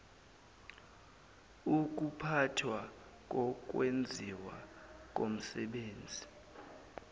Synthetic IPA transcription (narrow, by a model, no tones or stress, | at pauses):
uk̬ʼupʰatʰwa | k̬ʼɔk̬ʼwend͡zʱiwakʼom̩sɛɓeːnd͡zʱi